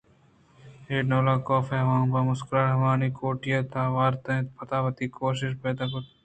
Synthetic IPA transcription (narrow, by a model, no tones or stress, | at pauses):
eːɖnoːlaːkoːfeɦʋãːbamʊskɾaɾɦɐʋaːniːkʰoːʈijaːt̪aːʋaːɾt̪ɐ̃t̪pɐt̪aːʋɐt̪iːkʰoːʃ̬ɪʃ̬peːd̪aːkot̪